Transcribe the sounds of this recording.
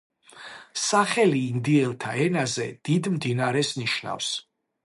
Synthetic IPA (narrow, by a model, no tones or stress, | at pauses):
saχɛliːnd̪iɛlˠt̪ʰa̰ɛnazɛd̪̥id̪md̪inaɾɛsniʃna̰fs